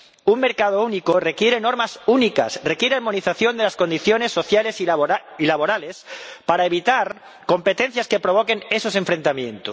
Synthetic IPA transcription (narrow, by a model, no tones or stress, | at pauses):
uŋme̞ɾkað̞ounikore̞kjeɾe̞no̞ɾmasunika̰srekjeɾeaɾmo̞niθaθjo̞nd̪e̞lasko̞nd̪iθjo̞ne̞sːo̞θjale̞silaβ̞o̞ɾale̞spaɾaeβ̞it̪aɾ | ko̞mpe̞t̪e̞n̟θjaske̞pɾo̞β̞o̞ke̞ne̞so̞sẽ̞ɱfɾe̞nt̪amjẽ̞nt̪os